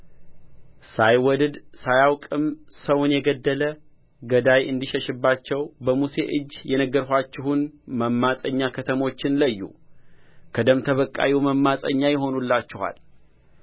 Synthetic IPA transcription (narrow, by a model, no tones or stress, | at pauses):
sajwɔd̪ɨd̪sajawkʼɨmsəwnjɛɡəd̪ːələ | ɡəd̪ajʔɨnd̪iʃɛʃɨbːat͡ʃːɛwbəmuse̞ʔɨd͡ʒːjɛnəɡːəɾhʷat͡ʃːɪhunməmːasʼəɲːakʰət̪ʰəmo̞t͡ʃːɪnləjːṵ | kʰəd̪əmt̪ʰəβəkʼːa̰wiwməmːasʼə̰ɲːajɛɦo̞nulːat͡ʃːɪha̰l